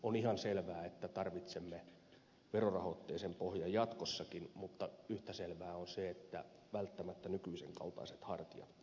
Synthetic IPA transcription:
onihɑnselʋæːet̪ːæt̪ɑrʋit̪semːe | ʋerorɑhot̪ːeːsempohjɑjɑt̪kosːɑkinmut̪ːɑyht̪æselʋæːonseet̪ːæ̰ʋælt̪ːæmæt̪ːænykyiseŋkɑ̰lt̪ɑ̰iset̪hɑrt̪ijɑ̰t̪

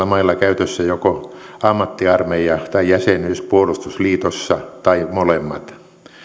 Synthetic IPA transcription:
ɑmɑilːɑkæyt̪øsːæjokoɑmːɑt̪ːiɑrmeiɑt̪ɑijæsenyspuolust̪usliːt̪osːɑt̪ɑimolemːɑ̰t̪

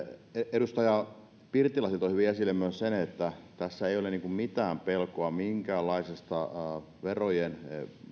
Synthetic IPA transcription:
eedust̪ɑjɑ | pirt̪ilɑsilt̪ohyʋiesilːemøˑssenet̪ːæt̪æsːæeˑijoleniːŋkummit̪æːmpelkoɑmiŋkæːlːɑisest̪ɑ | ʋerojen

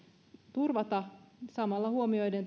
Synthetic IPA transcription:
t̪urʋɑt̪ɑsɑmɑlːɑhuomio̞jden

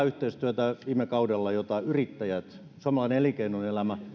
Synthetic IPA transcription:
yht̪eist̪yæt̪æʋiːmekɑudelːɑjot̪ɑyrit̪ːæjæt̪ | suɑmɑlɑˑineelikeinunelæmæ

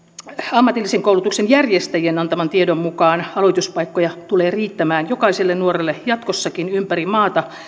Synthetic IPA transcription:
ɑmːɑt̪ilːiseŋkoulut̪uksenjærjest̪æjienɑnt̪ɑmɑnt̪iedommukɑːnɑloit̪uspɑikːojɑt̪uleːriːt̪ːæmæːnjokɑiselːennuorelːejɑt̪kosːɑkinympærimɑːt̪ɑ

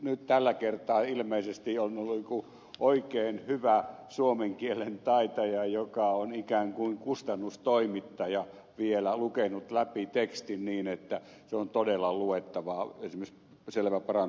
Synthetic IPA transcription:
nyt̪t̪ælːækert̪ɑːilmeisest̪ionolːuiku | ʔoikeːnhyʋæsuomeŋkielent̪ɑit̪ɑjɑjokɑonikæːŋkuiŋkust̪ɑnːust̪oimit̪ːɑjɑ | ʋielælukenut̪læpit̪ekst̪inniːnet̪ːæ | seont̪odelːɑluet̪ːɑʋɑesimeis | selʋæpɑrɑn

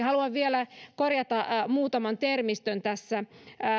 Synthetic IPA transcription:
hɑluɑʋʋielækorjɑt̪ɑmuːt̪ɑmɑnt̪ermist̪ønt̪æsːæ

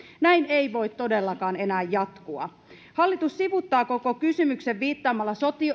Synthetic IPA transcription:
næinejʋo̞jt̪tːo̞delːɑkɑːne̞næːjːɑt̪kuɑ̰ | hɑlːit̪usːiʋut̪ːɑːko̞ko̞kysymykse̞ʋːiːt̪ːɑːmɑlːɑso̞t̪io

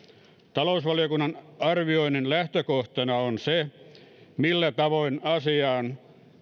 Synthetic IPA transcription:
t̪ɑlousʋɑlijokunːɑnɑrʋioinːinlæht̪økoht̪ɑnɑonse | milːæt̪ɑʋoinɑsiɑːn

